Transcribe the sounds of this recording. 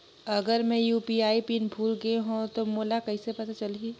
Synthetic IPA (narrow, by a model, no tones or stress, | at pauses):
ɐɡəɾmẽjuːpiaːipiːnbʱuːlɡɐeɦõt̪omoːlakɐɦisepɐt̪at͡ʃɐli